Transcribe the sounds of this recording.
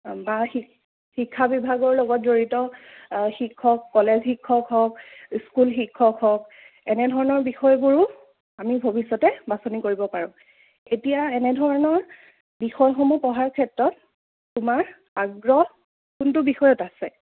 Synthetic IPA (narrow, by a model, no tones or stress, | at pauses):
baxi | hikʰːabibʱaɡɔɹlɔɡɔt̚zoɹitɔ | xikʰːɔkːɔlezxikʰːɔkɦɔkskulxikʰːɔkɦɔk̚ | ɛnɛdʱɔɹɔnɔɹbixɔjɡuɹu | amibʱobisɔtɛbasonikoɹibɔpaɹʊ̃ | etijaɛnɛdʱɔɹɔnɔɹ | bixɔjxɔmɔpɔɦaɹkʰɛtɹɔtː | umaɹ | aɡɹɔ | kuntʊbixɔjɔtasɛ